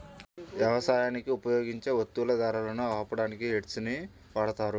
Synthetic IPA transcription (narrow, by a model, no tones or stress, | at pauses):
ʋjɐʋɐsaːjaːnikiupɐjo̞ːɡiɲt͡ʃe̞ːʋot̪ːulɐd̪aːɾalɐnuaːpɐɽaːnikieʈsuni | ʋaːɽɐt̪aːɾu